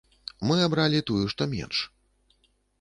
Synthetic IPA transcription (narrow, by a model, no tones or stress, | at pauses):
mɨabɾalʲit̪ujuʂt̪ɔmʲɛ̰nʂ